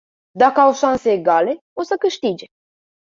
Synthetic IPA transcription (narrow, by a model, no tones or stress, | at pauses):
d̪akəawʃanseːɡale̞ | o̞səkɨʃt̪id͡ʒe